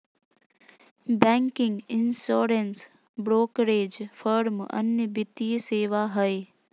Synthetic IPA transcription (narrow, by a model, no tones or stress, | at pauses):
bɛ̃ːŋkɪ̃ŋɡɪnsoːɾens | bɾoːkɾeːd͡ʒfʰəɾmɐ̰njəbɪt̪iseːʋaɦəe